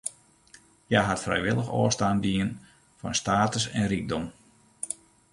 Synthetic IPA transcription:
jaɦatfrɛ̰jʋɪlˠəxo̰əstaːndiən | fɔ̰nstaːtəsɛnriɡ̚dɔm

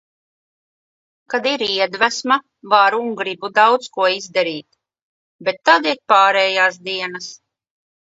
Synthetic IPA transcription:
kad̪iɾiɛd̪væsma | vaɾuŋɡɾibud̪awt̪skuɔizd̪aɾiːt̪ | bɛt̪ːad̪iɛk̚paːɾɛːjaːsd̪iɛnas

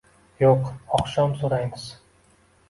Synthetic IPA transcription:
joqɒqʃɒmsoɾajmɪz̥

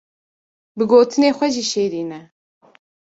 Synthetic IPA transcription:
bɨɡoːt̪ʰɨneːxʷɛʒiːʃeːɾiːnɛ

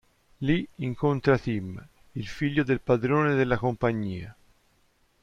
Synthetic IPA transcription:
liiŋkont̪ɾat̪im | ilfiʎːod̪elpad̪ɾoːned̪elːakompaɲːiːa

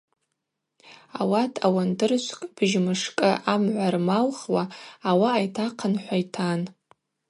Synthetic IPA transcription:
a̰watʰawandɨrʃʷkʼb̥ʒmɨʂkʼɨʔamʕʷarmalχwaːwaːjtʰaqʰənħʷajtʰan

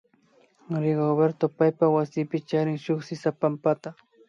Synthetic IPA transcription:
ɾɪɡobeɾt̪opajpawasɪːpɪt͡ʃaɾɪŋʃʊχsɪsapampat̪a

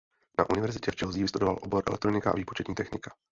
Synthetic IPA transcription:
na̰ʔunɪvɛɾzɪcɛft͡ʃɛlziːvɪst̪udo̞va̰lʔobo̞ɾʔɛ̰lɛkt̪ɾonɪkaʔa̰viːpot͡ʃɛt̪ɲiːt̪ɛxnɪkḁ

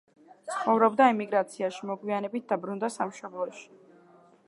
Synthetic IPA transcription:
t̪sʰχɔvɾɔbd̪aɛmiɡɾat̪sʰiaʃimɔɡwianɛbit̪̚d̪̥abɾund̪asamʃɔblˠɔʃi̥

